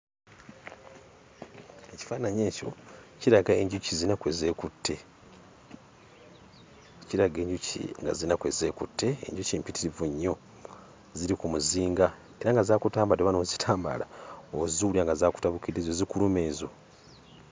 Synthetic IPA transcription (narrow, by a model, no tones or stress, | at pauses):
eci̥faːnaɲeːco̞̰ciɾaɡaeɲɟucizinakweze̞kutːe̞ | ciɾaɡe̞ːɲɟucḭŋɡa̰zinakwe̞ze̞kutːe̞ḛɲɟucimpitiɾivuɲːo̞ | ziɾikumuziːŋɡa | eɾaŋɡazaːkutaːmbadeβanoːzitʰaːmba̰laoziuliaŋɡazaːku̥taβukidezozikulume̞ːzo